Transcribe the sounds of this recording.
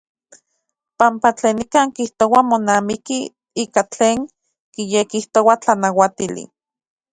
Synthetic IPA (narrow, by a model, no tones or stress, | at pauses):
pampat͡ɬeːnikaːŋkiht̪owamonaːmiki | iːkat͡ɬeːŋ | kijekiht̪owat͡ɬanawat̪ilḭ